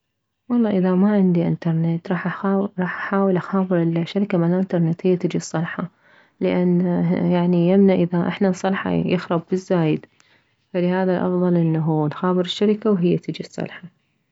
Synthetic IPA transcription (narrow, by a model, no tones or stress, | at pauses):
wɑlˤːɑːʔɪðamaʕɪnd̪iʔɪ̰nt̪ɑɾˤnɪt̪ɾˤɑːħʔaɾˤɑːħʔaħaːwɪlʔaxaːbɨɾɪlʃːaɾɪkamalaʔɪnt̪ɑɾˤnɪt̪hɪjːat̪ɪd͡ʒisˤːɑlħɑ | lɪʔanːjaʕnijamnaʕʔɪðaʔɪ̰ħnasˤːɑlħɑ̰jɪxɾˤɑbbɪzːaːjɪd̪ | falɪhaːðalʔɑ̰fðˤɑlʔɪnːaɦunxaːbɨɾɪʃːaɾɪkawɦɪjːat̪ɪd͡ʒisˤːɑ̰lħɑ